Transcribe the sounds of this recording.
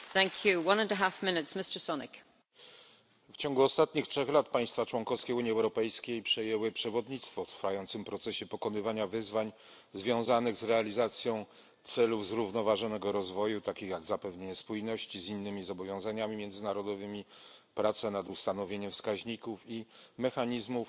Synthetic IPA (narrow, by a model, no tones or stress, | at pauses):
θæ̃ŋkʰjuwʌ̃nə̃nəɦafmɪnɪtsmɪstə˞sɔnɪk | ft͡ɕɔ̃ŋɡuɔst̪at̪ɲixtʂɛxlat̪paj̃st̪fat͡ʂwɔŋkɔfskʲɛuɲiɛwɾɔpɛjskʲejpʂɛjɛwɘpʂɛvɔd̪ɲit̪st̪fɔft̪ɾfajɔnt̪sɘmpɾɔt̪sɛɕɛpɔkɔnɘvaɲavɘzvaɲ | zvʲjɔ̃w̃zanɘɣzɾɛalʲizat̪sʲjɔ̃w̃ | t̪sɛluvzɾuvnɔvaʐɔnɛɡɔɾɔzvɔjut̪akʲixjaɡzapɛvɲeɲɛspujnɔɕt͡ɕizinːɘmʲizɔbɔvʲjɔ̃w̃zaɲamʲimʲjɛnd̪zɘnaɾɔd̪ɔvɘmʲipɾat̪sɛnad̪ust̪anɔvʲjeɲɛmfskaʑɲikufimɛxaɲizmuf